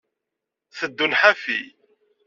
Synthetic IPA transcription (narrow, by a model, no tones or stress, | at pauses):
θəd̪ːunħafḭ